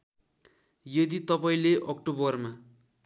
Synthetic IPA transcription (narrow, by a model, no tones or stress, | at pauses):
jʌd̪it̪ʌpaĩleʔʌkʈobʌrma